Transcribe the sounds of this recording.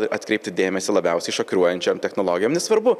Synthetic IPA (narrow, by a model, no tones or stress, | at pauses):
ʔɐt̪kɾʲɛɪpt̪ʲɪd̪ʲeːmʲɛsʲɪlˠɐbʲɛʊsʲɛɪʃɐkɾʲuɔjɛnʲt͡ʃʲɛmt̪ʲɛxnoːlˠoːɡʲɪjoːmnʲɛsʋɐɾbʊ